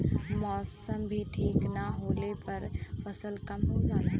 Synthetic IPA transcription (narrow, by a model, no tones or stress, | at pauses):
mɔsəmbʱiʈʰiːknaɦolepəɾpəsəlkəmɦod͡ʒaːl